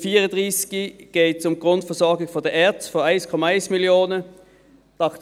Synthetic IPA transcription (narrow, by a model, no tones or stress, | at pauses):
fiːʁəndʁiːsɡ̥iɡ̥eːtsʊmɡ̥ʁʊntfɛɐsɔɐɡɪfɔɐdɛɛɐtsfɔaɪnskʰɔmɑaɪnsmɪljoːnə | d̥ɑχt